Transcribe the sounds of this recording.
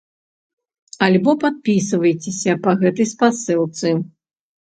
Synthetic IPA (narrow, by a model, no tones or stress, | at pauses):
alʲbɔpat̪̚pʲis̬ɨvɐjt͡sʲesʲɐpɐɣɛt̪ɐjspasɨlˠt̪sɨ